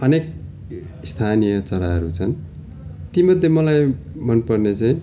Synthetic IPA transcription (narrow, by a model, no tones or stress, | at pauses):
ʌnek | ist̪ʰanijʌt͡sʌɾaɦʌɾut͡sʰʌn | t̪imʌd̪ʱːjemʌlaj | mʌnpʌrnet͡saĩ